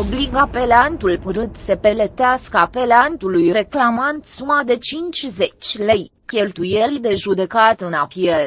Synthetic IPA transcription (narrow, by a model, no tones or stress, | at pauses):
o̞bliɡape̞lant̪ulpɨɾɨt̪se̞pe̞let̪easkəape̞lant̪ulujɾe̞klamant̪sumad̪e̞t͡ʃint͡ʃʲze̞t͡ʃʲle̞j | kʲe̞lt̪uje̞lʲd̪e̞ʒud̪e̞kat̪ɨnapjel